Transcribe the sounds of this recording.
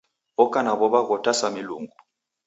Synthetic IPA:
ɔkʼanaɓɔɓaɣɔtʰʼasamiluːŋɡu

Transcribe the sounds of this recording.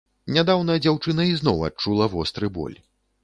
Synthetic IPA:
nʲad̪awnɐɐd͡zʲawt͡ʂɨnɐiznɔwa̰t͡ʂulˠɐvɔst̪ɾɨbɔ̰lʲ

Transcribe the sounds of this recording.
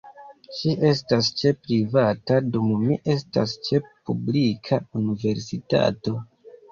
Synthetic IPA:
ʃiʔe̞s̬tast͡ʃe̞pɾivatadummiʔe̞s̬tast͡ʃe̞publikʰaunive̞ɾsita̰to̞

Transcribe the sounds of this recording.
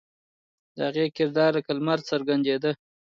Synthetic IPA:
d̪̥əhaɣekɪɾd̪ɑɾəkalmaɾsəɾɡand͡ʒ̪ed̪ə

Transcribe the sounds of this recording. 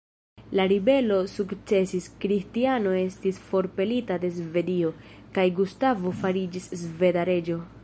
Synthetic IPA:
laɾibe̞lo̞sukt͡se̞siskɾistiano̞e̞stisfo̞ɾpe̞litade̞zve̞dio̞ | kajɡustavo̞faɾid͡ʒiszve̞daɾe̞d͡ʒo̞

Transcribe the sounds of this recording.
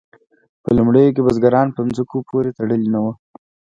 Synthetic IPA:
pəlumɽəjok̬ebazɡaɾɑnpənzəkopʰoɾet̪aɽəlinawə

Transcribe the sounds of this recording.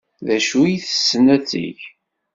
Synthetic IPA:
ðæʃujiθə̥sːənæt͡sːḭʝ

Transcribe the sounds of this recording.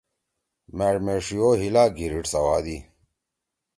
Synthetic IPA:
mæɽmeʂijoːɦilaːɡiɾiʈsɐwa̰ːd̪i

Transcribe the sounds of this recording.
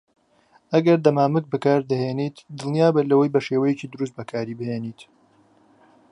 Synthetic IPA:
ɐɡɐɾd̪ɐmaːmɨk̚bɨkaːɾd̪ɐɦeːnit̪d̪ɨlˠnjaːbelɐwɐjbɐʃeːwɐjecid̪ɨɾus̬t̪̚bɐkʰaːɾiːbɨheːniːt̪

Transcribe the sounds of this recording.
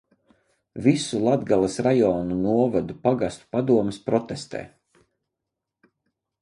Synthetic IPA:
visulˠad̪ɡalˠasɾajɔːnunuɔvad̪upaɡast̪u̥pad̪uɔmspɾɔt̪est̪ɛ̰ː

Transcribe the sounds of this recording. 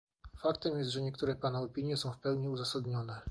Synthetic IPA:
fakt̪ɛmjɛst̪ʐɛɲɛk̚t̪uɾɛpanaɔpʲiɲjɛsɔ̃w̃fpɛwɲiuzasad̪ɲɔnɛ

